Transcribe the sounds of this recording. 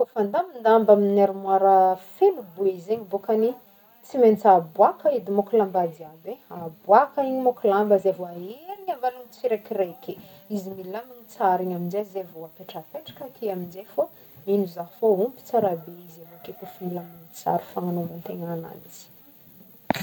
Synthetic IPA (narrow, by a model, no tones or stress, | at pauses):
fofand̪amind̪ambaminaɾimwaɾəfelubuizeɲibokani | t͡siment͡sabuakaid̪imokulambad̪iabeabwakaiɲimokulambazevoaeɾiɲavalanit͡siɾekirekeizimilaninit͡saɾiɲamind͡ʒezevoapeʈ͡ʂəpeʈ͡ʂḁkəkiamind͡ʒefo | inuzaɦfoumpi̥t͡saɾabeizavokekufmilaniŋit͡sa̰ɾifaŋanomant̪eŋana̰niz̥i̥